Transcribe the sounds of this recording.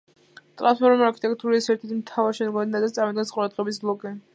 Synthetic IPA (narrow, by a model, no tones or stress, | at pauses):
t̪ʼɾanspʰɔɾmaɾkʰi̥t̪ʼɛkʰt̪ʼuɾisɛɾt̪ʰɛɾt̪ʰmt̪ʰavaɾʃɛnɡɔnɛd̪ad̪at̪sʼaɾmid̪ɡɛnsqʼuɾad̪ʁɛbisblˠɔkʼɛ